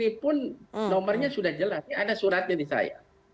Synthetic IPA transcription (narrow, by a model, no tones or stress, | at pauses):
ipʊnnɔmərɲasudahd͡ʒəlasadasuɾat̪̚ɲadisa̰ja̰